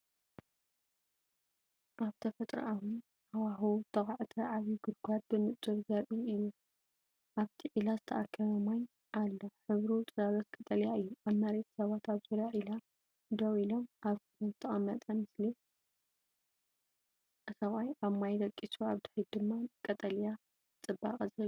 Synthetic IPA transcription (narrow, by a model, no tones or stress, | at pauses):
ʔaβt̪ʰɐfɐt̪ʼɾɐ̰ʔawun | awaɦot̪ʰɐχʼaʕt̪ʰɐʔaβiɡɨd̪̚ɡʷad̪̚bɨmɨt̪ʼɨɾzɐɾʔiɨjːu | ʔaβt̪ʰiʕilazɨt̪ʰɐʔakʰːɐβɐmaj | ʔalːoħɨβɾut̪ʼɨzalɐt̪kʼɨt̪ʼɐlijaɨjːuʔaβmɐɾet̪sɐβat̪aβzɨɾaʕila | d̪ɐwilomʔaβfɨɾɐnt̪ʰɐχʼɐmːɐt̪ʼɐmɨsli | ʔɨsɐβajaβmajd̪ɐkʼːisuaβd̪ɨħid̪ɨmːakʼɐt̪ʼɐlja | t͡sʼɨbːa̰qʼɐzɐ